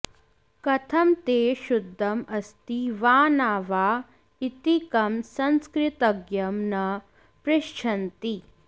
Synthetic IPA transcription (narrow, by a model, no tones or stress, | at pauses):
kɐt̪ʰɐmt̪eːʃud̪ʱːɐmɐst̪iʋaːnaːʋaː | it̪ikɐmsɐnskɾɪt̪ɐɡjɐmnɐ | pɾɪʃt͡ʃʰɐnt̪i